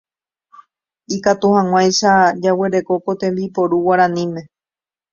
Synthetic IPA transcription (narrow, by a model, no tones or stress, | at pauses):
ikat̪uhãŋ̃ʷãjʃad͡ʒaweɾe̞ko̞ko̞t̪ẽ̞mbipo̞ɾuwaɾãnĩmẽ̞